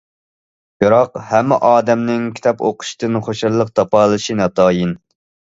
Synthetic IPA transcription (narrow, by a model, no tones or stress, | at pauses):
biɾɑqhɛmːɛ̰ʔɑːd̪ɛmnɪŋkʲʰi̥t̪ʰɑpoqʰʊ̥ʃt̪ɨnχoʃɨɾlˠəq̚t̪ʰɑpɑːlˠɨʃinɑt̪ʰɑːjin